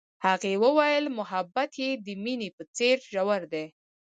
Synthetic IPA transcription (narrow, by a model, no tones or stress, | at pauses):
haɣewəwajəlmʊɦabat̪jed̪əminepət͡seɾʒawaɾd̪e